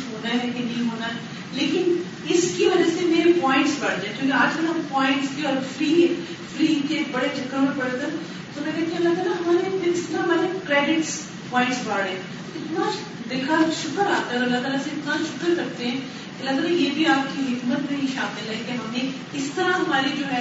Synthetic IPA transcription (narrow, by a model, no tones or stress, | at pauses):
ɦoːnaɦɛeːkɪnːɐɦĩɦoːnaɦɛ | leːkɪn | ɪskiʋɐd͡ʒəsemeːɾepɔːɪ̃ɳʈsbaɽ̤d͡ʒãːẽkjũːk̬eaːd͡ʒɡɐnɦɐmpɔːɪ̃ɳʈskiɔːɾfɾiː | fɾiːkebɐɽed͡ʒʱɐkːamẽpɐɽet̪a | t̪omɛ̃k̪ɛːt̪ʰĩũɐlːat̪aːlaɦɐmaːɾepɪɪst̪namaːɾekɾɛːɖɪʈs | pɔ̃ːɪ̃ɳʈsbaːɽɛ̃ː | ɪt̪na | d̪ɪlkaʃʊkəɾa̰ːt̪aɛɔɾoɐlːat̪aːlaseɪt̪naʃʊkəɾkɐɾt̪eɦɛ̃ | keɐlːat̪̬aːlajeːbʱiaːp̚kiɦɪkmət̪nɐ̃ɦĩʃaːmɪlːɐekeɦɐmẽ | ɪst̪əɾaɦɐmaːɾid͡ʒoːɦɛ